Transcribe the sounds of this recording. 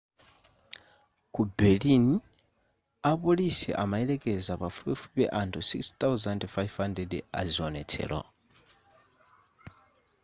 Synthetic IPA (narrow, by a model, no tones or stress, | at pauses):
kubɛlini | apulisɛ̰ʔamaɛlɛkʼɛzapafupɛfupɛʔantʰusikst̪awzandfajvhandɛda̰ziɔnɛt͡sʰɛ̰lɔ̰